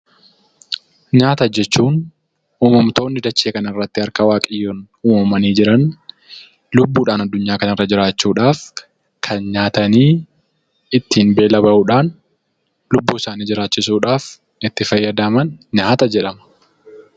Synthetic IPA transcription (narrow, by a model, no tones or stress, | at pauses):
ɲaːt̪ɐd͡ʒɛt͡ʃːuːn | uːmɐmt̪o̞ːnːɪd̪ɐt͡ʃːeːkɐnɐɪrːɐt̪ːɪɐɾkɐwaːkʼɪjːoːn | uːmɐmɐniːd͡ʒɪɾɐn | lʊbːuːᶑaːnɐd̪ːʊɲːaːkɐnɪrːɐd͡ʒɪɾaːt͡ʃːuːᶑaːf | kʰɐnɲaːt̪ɐniː | ɪt̪ːiːnbe̞ːlɐbɐʔuːᶑaːn | lʊbːuːɪsaːniːd͡ʒɪɾaːt͡ʃːɪsuːᶑaːf | ɪt̪ːɪfɐjːɐd̪aːmɐnɲaːt̪ɐd͡ʒɛᶑɐmɐ̥